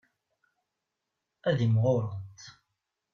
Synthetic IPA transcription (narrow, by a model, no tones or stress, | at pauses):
æðimʁoɾˤənt̪